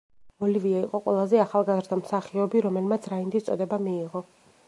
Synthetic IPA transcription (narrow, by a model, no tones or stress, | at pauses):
ɔliviaiqʼɔqʼwɛ̰lˠazɛaχalˠɡazɾd̪amsaχiɔbiɾɔmɛlmat̪sʰɾaind̪ist̪sʼɔd̪ɛbamiːʁɔ